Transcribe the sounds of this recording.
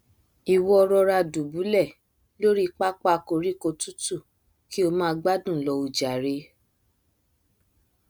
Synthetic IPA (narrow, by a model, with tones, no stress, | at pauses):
i˨wɔ˧ɔ˧ɾɔ˧ɾa˧du˨bu˨˦lɛ˦˨ | lo˦ɾi˦k͡pa˦k͡pa˦ko˧ɾi˦ko˧tu˦tu˦˨ | ki˦o˧mãː˦˧ɡ͡ba˦dũ˦˨lɔ˧u˧d͡ʒa˨ɾe˧˦